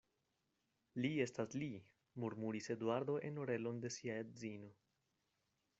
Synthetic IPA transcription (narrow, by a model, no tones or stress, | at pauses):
lie̞stasli | muɾmuɾise̞dwaɾd̪o̞ʔe̞no̞ɾe̞lo̞nde̞siaedzino̞